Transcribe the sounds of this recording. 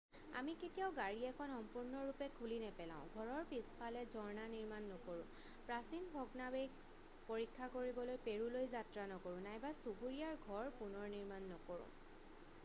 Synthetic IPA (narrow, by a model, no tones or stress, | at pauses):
a̰miketijaʊɡaɹiɛkʰɔnxɔmpuɹnɔɹupɛkʰulinɛpɛlã̰ʊ̃ɡʱɔɹɔɹpispʰalɛzɔɹnaniɹmanːɔkoɹʊ̰̃ | pɹasinbʱɔɡnabe | poɹikʰːakoɹibɔlojpeɹulojzatɹanɔkoɹʊ̃najbasubuɹijaɹɡʱɔɹpunɔɹniɹmanːɔkoɹʊ̰̃